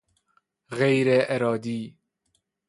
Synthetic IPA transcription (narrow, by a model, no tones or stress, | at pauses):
ɣejɾeʔeɾɒːd̪iː